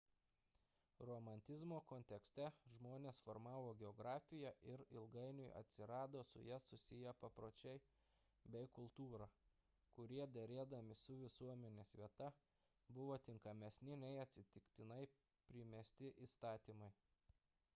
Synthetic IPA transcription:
ɾomɐnʲt̪ʲɪzmoːkɔnʲt̪ʲɛksʲt̪ʲɛʒmoːnʲeːsfɔɾmɑːʋoːɡʲɛɔɡɾɑːfʲɪjɛʔɪɾɪlˠɡɐɪnʲʊɪʔɐ̰t̪ʲsʲɪɾɑːd̪oːsʊ̰jɛsʊsʲɪjɛpɐpɾoːt͡ʃʲɛɪ | bʲɛɪkʊlˠt̪uːɾɐ | kʊɾʲiɛd̪ʲɛɾʲeːd̪ɐmʲɪsʊʋʲɪsuɔmʲɛnʲeːsʋʲiɛt̪ɐ | bʊʋoːt̪ʲɪŋkɐmʲɛsʲnʲɪnʲɛɪɐt̪ʲsʲɪt̪ʲɪkt̪ʲɪnɐɪ | pʲɾʲɪmʲɛsʲt̪ʲɪʔiːst̪ɑːt̪ʲiːmɐɪ

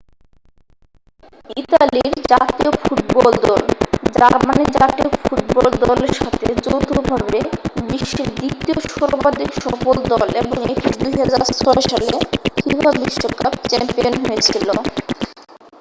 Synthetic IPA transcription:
it̪aliɾd͡ʑat̪iofuʈ̚bɔld̪ɔld͡ʑaɾmanid͡ʑat̪iofuʈ̚bɔld̪ɔleɾʃat̪ʰed͡ʑowt̪ʰobʱabebiʃːed̪it̪ioʃɔɾbad̪iɾʃɔkold̪ɔleboŋekʰid̪ujɦad͡ʑaɾt͡ɕʰɔɾoʃalekibʱabiʃːoka̰pt͡ɕɛmpionɦojet͡ɕʰilo

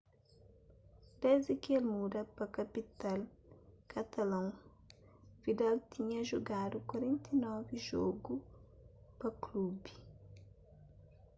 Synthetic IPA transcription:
d̪̥ezd̪ɪkelmud̪ɐpɐkɐpit̪alkʰɐt̪ɐlɐ̃ŋ | v̥id̪alt̪iɲɐʒoɡad̪ukwɐɾẽnt̪ɐinɔviʒɔɡu | pɐklubi

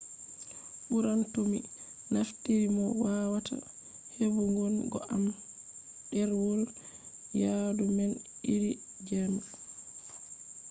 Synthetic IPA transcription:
ʔuɾantominaftiɾimɔwawata̰ | hebuŋɡɔnɡɔ̰ʔam | ɛɾwɔl | jadumɛniɾi | d͡ʒɛma

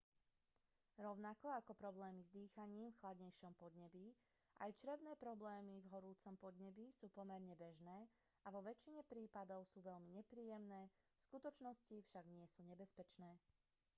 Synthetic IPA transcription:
ɾɔʊnakɔakɔpɾɔblɛːmizd̪iːxaɲiːmfxlad̪ɲɛjʃɔmpɔd̪ɲɛbi | ʔajt͡ʃɾɛʋnɛːpɾɔblɛːmivɦɔɾuːt͡sɔmpɔd̪ɲɛbisuːpɔmɛɾɲɛbɛʒnɛː | aʋɔʋɛt͡ʃiɲɛpɾiːpad̪ɔʊsuːʋɛʎmiɲɛpɾiːjɛmnɛːfskut̪ɔt͡ʃnɔscifʃaɡɲɪɛsuːɲɛbɛspɛt͡ʃnɛː

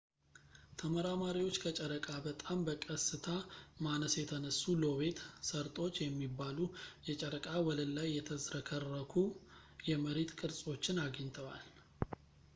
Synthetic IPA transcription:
t̪ʰəməɾamaɾiwo̞t͡ʃːkʰət͡ʃʼəɾəkʼabət̪ʼambəkʼəsɨt̪ʰamanəsjɛt̪ʰənəsːulo̞βe̞t̪səɾt̪ʼo̞t͡ʃːjɛmːibːalujɛt͡ʃʼəɾəkʼawɔləlːajːɛt̪ʰəzɾəkʰərːəkʰu | jɛməɾet̪kʼɨɾsʼo̞t͡ʃːɪnaɡəɲt̪ʰəwa̰l

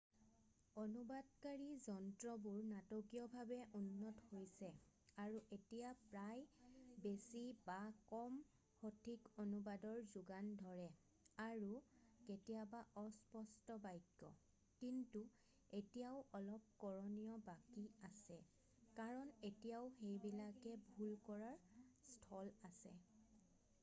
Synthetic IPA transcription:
onubadkaɹizɔntɹɔbuɹnatokijɔbʱabɛʔunːɔthojsɛaɹuʔetijapɹajbesibakɔm | hotʰikonubadɔɹzuɡandʱɔɹɛ | aɹuketijabaʔɔspɔstɔbajkːɔ̰ | kintu | etijaʊʔɔlɔp̚kɔɹɔnijɔbakiasɛ | kaɹɔnetijaʊxejbilakɛbʱulkɔɹaɹstʰɔlasɛ̰

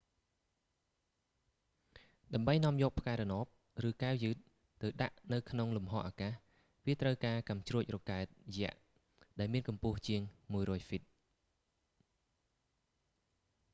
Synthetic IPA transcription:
ɗaɛmɓəjnŏəmjɔːk̚pʰkaɛɾɔnoːp̚ | rɨːkaɛwjɨːt̪̚ː | ɨwɗaʔnɨwkʰnoŋlumɦɑ̰ːʔaːkaːh | ʋiət̪rəwkaːkamt͡ɕruəc̚rɔkaɛt̪̚jɛ̆əʔ | ɗaɛlmiənkɑmpʊəht͡ɕiəŋmuəjrɔːjfit̪̚

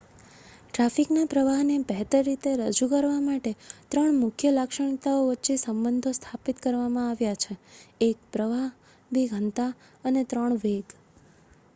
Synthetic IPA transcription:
ʈɾafiknapɾəʋaɦnebɛɦt̪əɾːit̪eɾəd͡ʒukəɾʋamaʈet̪ɾəɳmʊkʰjəlakʃəɳ̃it̪aoʋətːt͡ʃesəmbənd̪ʱost̪ʰapit̪kəɾʋamãaʋjat͡ʃʰeek̚pɾəʋaɦ | bʱiɡʱənt̪a | ənet̪ɾəɳʋeɡ

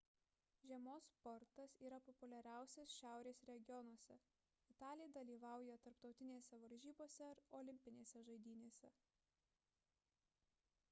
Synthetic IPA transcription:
ʒʲiɛmoːspɔɾt̪ɐsiːɾɐpɔpʊlʲɛɾʲæˑʊsʲeːsʃʲæˑʊɾʲeːsɾʲɛɡʲɪjɔnwɔsʲɛ | ɪt̪ɑːlʲɪjd̪ɐlʲiːʋɑˑʊjɛt̪ɐɾpt̪ɒʊt̪ʲɪnʲeːsʲɛʋɐɾʲʒʲiːboːsʲɛɐɾɔːlʲɪmʲpʲɪnʲeːsʲɛʒɐɪd̪ʲiːnʲeːsʲɛ

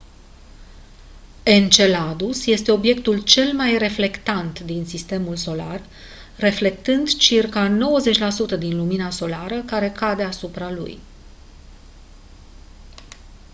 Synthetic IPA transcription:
e̞nt͡ʃe̞lad̪usje̞st̪e̞o̞bje̞kt̪ult͡ʃe̞lmajre̞fle̞kt̪ant̪d̪insist̪e̞mulso̞larː | e̞fle̞k̚t̪ɨnd̪t͡ʃirkano̞wəze̞t͡ʃʲlasut̪əd̪inluminaso̞laɾəkaɾe̞kad̪e̞asupɾalṵj

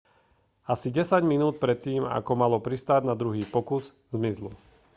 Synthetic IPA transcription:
asiɟɛsaɟminuːt̪̚pɾɛt̪ːiːma̰kɔmalɔpɾist̪aɟnad̪ɾuɦiːpɔkuz | zmizlṵ

